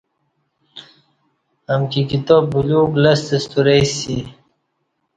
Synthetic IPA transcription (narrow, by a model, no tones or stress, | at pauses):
amkikit̪ɔbbuluːklasd̪əst̪uɾesi